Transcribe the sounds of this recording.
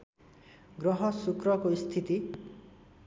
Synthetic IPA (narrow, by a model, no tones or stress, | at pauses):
ɡɾɔɦɔsukɾɔkoist̪ʰit̪i